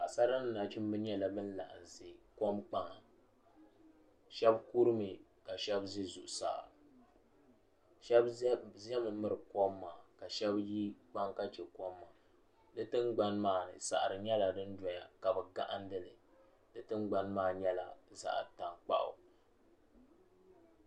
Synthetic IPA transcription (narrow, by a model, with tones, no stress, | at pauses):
a˨sa˦ɾa˦n˦na˨t͡ʃi˦m˦bɨ˦ɲɛ˦la˨bɨ˦n̩˦la̰˨ʔa̰˨n˨zi˨ko˦mk͡pa˨ŋa˨ | ʃɛ˦bku˦ɾɨ˦mɨ˨ka˨ʃɛ˦bzi˦zu˨ʔʊ˨sa̰ː˦˨ | ʃɛ˦bzɛ˦mɨ˨mɨ˦ɾɨ˨ko˦mːaː˨ka˨ʃɛ˦bji˦k͡pa˦ŋka˦t͡ʃɛ˨ko˦mːa˨ | dɨ˦tɨ˦nɡ͡ba˨˦nmaː˨nɨ̰˨sa̰˨ʔa˨ɾɨ˨ɲɛ˦la˨dɨ˦n˦dɔ˨ɲa˨ka˨bɨ˨ɡa˦ʔa˦n̩˦dɨ˦lɨ˨ | dɨ˦tɨ˦n˦ɡ͡ba˨nmaː˦˨ɲɛ˦la̰˨za̰˦ʔta˨ŋk͡pa̰˦ʔʊ̰˨